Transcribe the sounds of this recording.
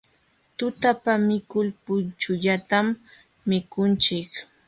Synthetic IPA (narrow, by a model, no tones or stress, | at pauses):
t̪ʊt̪apamɪkʊlpʊnt͡ʃʊʎat̪amː | ɪkʊnt͡ʃɪk